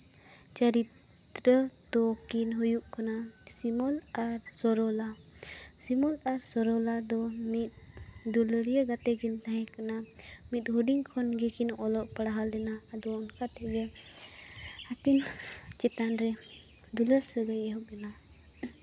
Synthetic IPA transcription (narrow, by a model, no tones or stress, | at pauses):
t͡ʃəɾit̪ | ɾət̪ɔkinɦujuʔkana | simɔlaɾsɔɾɔla | simɔlaɾsɔɾɔlad̪ɔmit̪̚ | d̪uləɽijəɡat̪ɛɡint̪aɦɛ̃kana | mit̪̚ɦuɖiŋkʰɔnɡɛkinɔlɔʔpəɽaɦald̪ɛnaːd̪ɔɔnkat̪ɛʔɡe | at̪in | t͡ʃɛt̪anɾɛ | d̪uləɾsəɡəjɛɦuʔdɛna